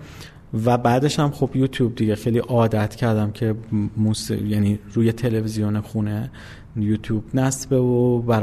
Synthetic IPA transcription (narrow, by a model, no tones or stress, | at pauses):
væbæːd̪e̞ʃæmχobjuːt̪ʰjuːb̚d̪iɟe̞xejliːʔɒːd̪æt̪ʰcʰæɾd̪æmcʰe̞muːsjæniːɾuːjet̪ʰe̞levizijonexuːne | juːt̪ʰjuːbnæsbe̞vobæɾ